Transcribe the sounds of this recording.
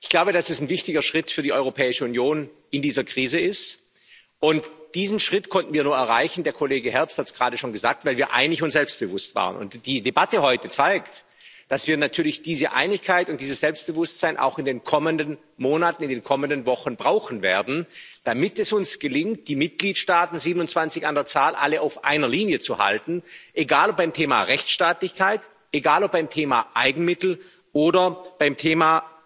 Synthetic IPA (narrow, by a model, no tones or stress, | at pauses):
ʔɪçɡ̥laʊbədasɛsnvɪçtɪɡɐʃʁ̥ɪtfyːɐdiʔɔʏʁopʰɛːɪʃəunjoːn | ɪndiːzɐkʁ̥iːzəɪst | ʔʊntd̥iːzn̩ʃʁ̥ɪtkʰɔntn̩viːɐnuːɐɛɐʁaɪçn̩deːɐkʰoleːɡəɦɛɐpsthatsɡ̥ʁaːdəʃoːnɡəza̰ːk̚tvaɪlviːɐʔa̰ɪnlɪçʊnsz̥ɛlpst̚b̥əvʊstv̥a̰ːʁə̰nʊ̰ntd̥iːdebatəɦɔʏtət͡saɪkt | d̥asv̥iːɐnatʰyːɐlɪçd̥iːzəʔa̰ɪnɪçkʰːaɪtʊnt̚d̥iːzəsz̥ɛlpst̚b̥əvʊstz̥aɪnʔa̰ʊxɪndeːnkʰɔməndən | moːnatn̩ɪndeːnkʰɔməndənvɔxn̩bʁaʊxn̩vḛːɐdn̩d̥amɪtɛsʊnsɡ̥əlɪŋkt̚d̥iːmɪt̚ɡ̥liːtʃtaːtn̩ziːbənʊnt͡sv̥ant͡sɪçandeːɐt͡saːlʔa̰ləaʊfʔa̰ɪnɐliːnjət͡suha̰ltn̩ʔeɡaːlɔp̚baɪmtʰeːma̰ʁɛçt͡sʃtaːtlɪçkʰaɪt | ʔeɡaːlɔp̚b̥aɪmtʰeːmaʔaɪɡŋ̩mɪtl̩ | ʔoːdɐb̥aɪmtʰeːma